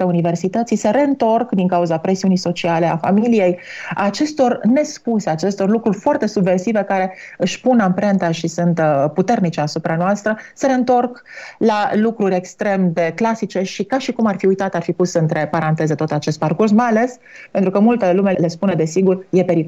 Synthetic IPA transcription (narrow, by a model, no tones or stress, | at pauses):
t̪eunive̞rsit̪ət̪sise̞ɾe̞ɨnt̪o̞rkd̪iŋkauzapɾe̞siunijso̞t͡ʃiale̞a̰familije̞j | at͡ʃe̞st̪o̞rne̞spuseat͡ʃe̞st̪o̞rlukɾurʲfoart̪e̞subve̞rsive̞kaɾe̞ɨʃʲpunampɾe̞nt̪aʃisunt̪put̪e̞rnit͡ʃeasupɾanoast̪ɾəseɾe̞ɨnt̪o̞rk | lalukɾuɾʲe̞kst̪ɾe̞md̪e̞klasit͡ʃe̞ʃikaʃikumarfiujt̪at̪arfipusəɨnt̪ɾe̞paɾant̪e̞ze̞t̪ot̪at͡ʃe̞st̪̚parkursmajale̞s | ppe̞nt̪ɾukəmult̪əlume̞le̞spuned̪e̞siɡurje̞pe̞ɾi